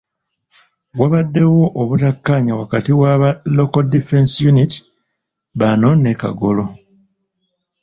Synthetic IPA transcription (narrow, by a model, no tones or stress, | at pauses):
ɡwaβadːe̞wo̞ʔoβutakːaːɲawakatiwaβalokoldife̞nsjuniti̥ | βano̞ne̞ka̰ɡo̞lo̞